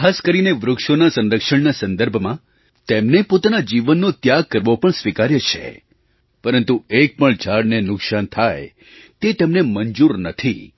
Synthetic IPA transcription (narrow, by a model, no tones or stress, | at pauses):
kʰaskəɾineʋɾʊkʃonasə̃nɾəkʃəɳnasə̃nd̪əɾbʱmã | t̪emnepot̪anad͡ʒiʋənːot̪jaɡ̚kəɾʋopəɳsʋikaɾjət͡ʃʰḛ | pəɾənt̪uek̚pəɳd͡ʒʱaɽnenʊksant̪ʰaj | t̪et̪emnemənd͡ʒuɾnət̪ʰi